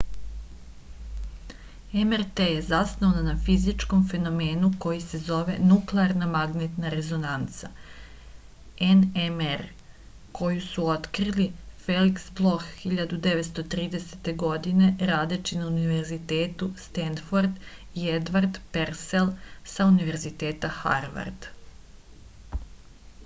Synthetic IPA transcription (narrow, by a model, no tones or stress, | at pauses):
emeɾt̪ejezasnonanafizit͡ʃko̞mfe̞no̞me̞ːnuko̞jise̞zo̞ʋe̞nukleaɾnamaɡnet̪naɾe̞zo̞nant̪sa | enemeɾ | kʰo̞jusuo̞t̪kɾilife̞liksblˠo̞xːiʎad̪ud̪e̞ʋet̪st̪o̞t̪ɾiːd̪e̞set̪e̞ɡo̞d̪ine̞ɾaːd̪et͡ɕinauniʋe̞ɾzit̪eːt̪ust̪end̪foɾd̪ | ied̪ʋaɾd̪peɾselˠsauniʋe̞ɾzit̪e̞ːt̪axa̰ɾʋa̰ɾd̪̥